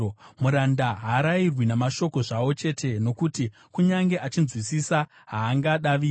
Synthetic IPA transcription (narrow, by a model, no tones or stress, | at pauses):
muɾandaɦaːɾairwinamaʃo̞ko̞ʐawo̞t͡ʃe̞tʰe̞no̞kuti | kuɲaŋɡe̞ʔat͡ʃinzwisisa | ɦaːŋɡaɗaʋiː